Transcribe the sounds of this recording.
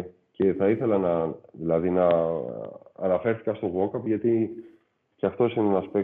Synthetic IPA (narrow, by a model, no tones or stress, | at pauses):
ce̞θɐiθe̞lɐnɐðilɐðinɐ | ɐnɐfe̞ɾθi̥kɐst̪o̞ɣo̞kɐpʝɐt̪i | ceɐft̪o̞sinenɐspe